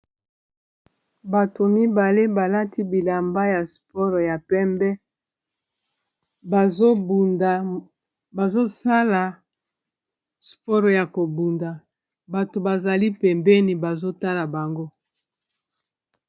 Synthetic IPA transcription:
ba˨tʰo˨mi˦ba˨le˦ba˨la˦tʰi˦bi˨la˨mba˦ja˨spɔ˦ʁja˨pɛ˦mbɛ˦ | ba˨zo˦bu˨a˨ | ba˨zo˦sa˦la˨ | spɔ˦ʁja˨ko˨bu˨nda˨ | ba˨to˨ba˨za˨li˦pɛ˨mbɛ˦ni˨ba˨zo˦ta˦la˨ba˨ŋɡo˦

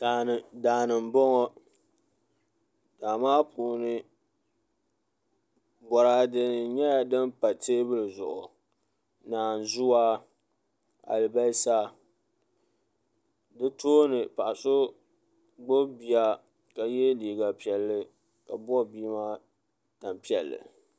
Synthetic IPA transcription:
a˨daː˨nɨ˨m˨bɔ˦ŋɔ˦ | d̥aː˨maː˦pʰuː˨nɨ˦ | bɔ˨ɾa˨dɨ˨ɲɛ˦ja˨dɨ˦mpa˨teː˦bɨ˦lɨ˨zʊ̰˨ʔʊ˨ | naː˨n˨zʊ˦wa˦ | a̰˨lɨ˨ba˦sa˦ | dɨ˦tʰoː˦nɨ˨pa˨ʔa˨sʊ˦ | ɡ͡bo˦bi˨a˦ | ka˨je˦diː˨ɡa˨pi˨ɛ˨lːɨ˦ | ka̰˨bɔ˦biː˦ma˦ | ta˨mpi˦ɛ˨lːɨ̰˨

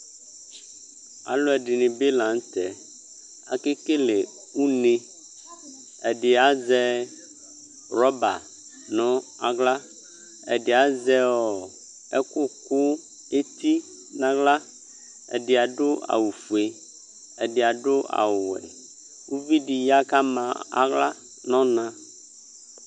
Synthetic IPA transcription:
a̰˨lo˦ɛ˨ɖi˨nẽ˨be˦lã˨˦ŋ˦t̪ɛ˨ | a̰˨ke˦ke˦le˨ | wu˦nẽ˦ | ɛ˨ɖe˨a˨zɛ˦ | ɾɔ˦ba̰˨ | nɔ̃˦a˨ɡla˦ | ɛ̰˨ɖe˨a˨zɛ˦ɔ˨ | ɛ˦kʊ˦kʊ˦ | e˦t̪i˦ | nã˦ɡla˦ | ḛ˨ɖɪ˨a˨ɖʊ˦a̰˨wu˨fu˨e˨ | e˨ɖɪ˨a˨ɖʊ˦a̰˨wʊ˨wɛ̰˨ | wu˦vi˦ɖi˨ja˦ka˦mã˨a̰˨ɡla˦ | nɔ̃˦nã˦

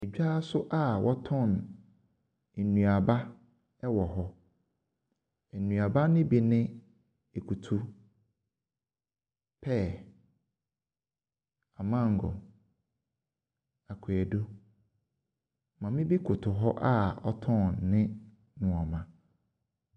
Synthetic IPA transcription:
e˨d͡ʑᶣa˦sʊ˦ʔa˦˨wʔɔ˦tʰɔ̃˦˨n | e˨nũ˨a˨ba˦ | ɛ˦wɔ˨ɦɔ˦ | ɛ˨nũ˨a˨ba˦nɪ̃˦bi˨nɪ̃˦ | e˨kʰu˨tʰu˦ | pʰɛ˦˨ | a˨mã˦˨ŋ˨ɡɔ̰˨ | a˨kʰʊ˨ɛ˨do˦ | mã˨mɪ̃˦bi˦kʰʊ˨tʰʊ˨ɦɔ˦ʔa˦ɔ̰˦tʰɔ̃˦˨nːɪ̃˦ | nʊ̃˨a˨mã˨

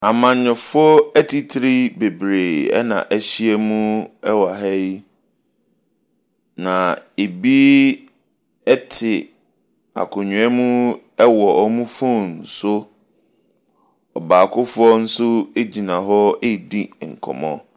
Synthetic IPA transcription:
a˨mã˨ɲ˦ɲʊ̃˨fʊ˦ɔ˦ɛ˦tʰi˨tʰi˦ɾi˦be˨bɾeː˨ɛ̰˦nã̰˨ʔæ˦ɕi˦e˦mũ˦ɛ˦wa˨ɦɛ˦ | nã˨e˨bi˦ | ɛ˦tʰɪ˨ | a̰˨kʰʊ̃˨ɲᶣʊ̃˨˦ɛ˦mũ˦ | ɛ˦wɔ˨ɔ˦˨mũ˦fʊ̃˦n̩˨sʊ˦ | ɔ˨baː˨kʰʊ˦fʊ˦ɔ˦n̩˦sʊ˦e˦d͡ʑi˨nã˨ɦɔ˦e˦˨di˦ŋ̩˨kʰɔ̰˨mɔ̰̃˦

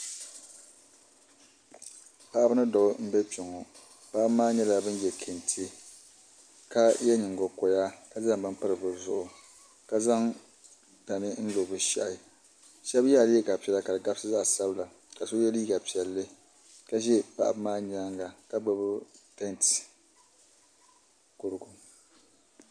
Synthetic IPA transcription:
pa˦ʔa˦bɨ˦nɨ˦dɔ˨ʔʊ˦m̩˦bɛ˦t͡ʃo˨ŋɔ˨ | pa˦ʔa˦bmaː˦ɲɛ˦la˨bɨ˦njɛ˨kʰe˨ntʰe˦ | ka˦jɛ˦ɲɪ˨ŋɡo˨kɔ˨ja˦ka˦za˦ŋbɨ˦mpɨ˦ɾɨ˨bɨ˨zʊ˦˨ʔʊ˨ | ka˦za˦ŋ | da˨nɨ˦n̩˦lo˨bɨ˨ʃa̰˦˨ʔ | ʃɛ˦bja˦˨lɛ˦ɡa˨pi˨ɛ˨la˦ka˨dɨ˨ɡa˦bsɨ˦za˦ʔsa˦bɨ˦la˨ | ka˨so˦jɛ˦liː˦ɡa˨pi˨ɛ˨lːɨ˦ | ka˦ʒɛ˦pa̰˦˨ʔa˨bmaː˦ɲa˦ŋɡa˨ka˦ɡ͡bo˦bʊ˦tɛ˦nt | kʊ˨ɾɨ˦ɡʊ˨

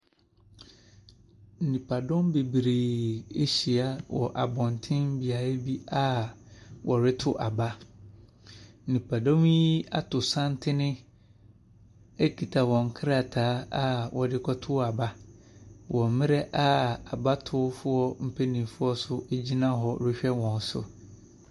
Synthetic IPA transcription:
n̩˨nĩ˨pʰa˨dɔ̃˦mbe˨bɾeː˨e˦ɕi˨a˨wɔ̰˨ʔa̰˨bɔ̃˨ntʰɪ̃˦m̩˦bi˨a˨e˦bi˦a˦ | wʔɔ˨ɾɪ˦tʰʊ˦ʔa˨ba˦ | n̩˨nĩ˨pʰa˨dɔ̃˦wĩ˦a̰˦tʰʊ˨sã˦n˦tʰɪ˦nɪ̃˦ | e˦kʰi˨tʰa˨wɔ̃˨ŋ̩˨kʰɾa˨tʰaː˨˦a˦wɔ˨dɪ˦kʰɔ˦tʰʊ˦a˨ba˦ | wʔɔ̃˨m˦mɪ̃˦ɾɛ˦ʔa˦a˨ba˦tʰʊ˦fʊ˦ɔ˦m̩˨pʰe˦nĩ˨fʊ˦ɔ˦sʊ˦ʔe˦d͡ʑi˦nã˦ɦɔ˨ɾɪ˦ɕᶣɛ˦wɔ̃˨n˦sʊ̰˨

